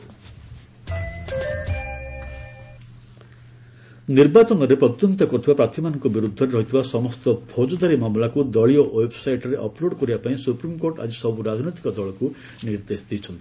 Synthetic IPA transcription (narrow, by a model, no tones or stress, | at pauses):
niɾbat͡ʃɔnɔɾepɾɔt̪jɔnt̪ɔkɔt̪ʰibapɾat̪ʰimanɔŋkɔbiɾud̪ʱːɔɾeɾɔɦit̪ʰibasɔmɔst̪ɔpʰod͡ʒɔd̪aɾimamlakud̪ɔɭioʔwebsajʈɔɾeʔɔploɽkɔɾibapaĩsupɾimkoɾʈa̰d͡ʒisɔbuɾad͡ʒnɔjt̪ikɔd̪ɔɭɔku | niɾd̪esd̪it͡ʃʰɔnt̪i̥